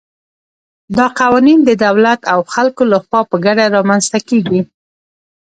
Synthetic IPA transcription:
d̪ɑqawɑnind̪əd̪awlat̪awxalkolaxwɑpəɡaɽaɾɑmanst̪akeɡi

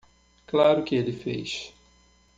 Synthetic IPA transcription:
klaɾʊkɪelɪfḛjʃ

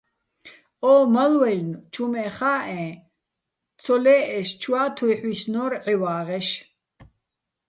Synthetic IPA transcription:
ɔːmɐlwɛlnt͡ʃʰumɛːχaːɛ̃ː | t͡sʰɔlɛːɛʃt͡ʃʰwaːt̪ʰujħwisnɔːɾʕiwaːʁɛʃ

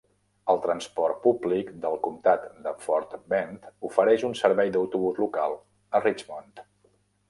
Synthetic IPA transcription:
əlˠt̪ɾənspɔrt̪̚publikd̪əlˠkumt̪at̪d̪əfɔɾt̪bɛnt̪ufəɾɛʃunsəɾβɛjd̪əwt̪uβuzlukalˠ | ərit͡ʃmɔnt̪

